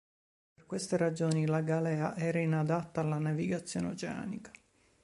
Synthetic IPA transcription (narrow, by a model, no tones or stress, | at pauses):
perkwest̪erad͡ʒoːnilaɡalɛːaʔɛːɾainad̪at̪ːaːlːanaviɡat̪sːjoːneot͡ʃea̰ːnikḁ